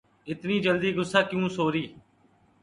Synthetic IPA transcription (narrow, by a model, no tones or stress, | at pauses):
ɪt̪niːd͡ʒəld̪iːɡʊsːaːkɪjũːsoːɾiː